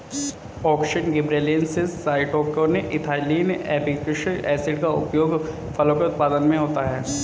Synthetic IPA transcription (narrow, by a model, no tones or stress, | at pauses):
ɔːkʃəɳɡɪbɾeːleːnsɪssaːɪʈoːkoneʔɪt̪ʰaːliːnɛːpikɪʃəɛːsɪʈkaʊ̰pjoːɡ | fɐlõkeʊt̪̚paːd̪ənmẽɦoːt̪aɦɛː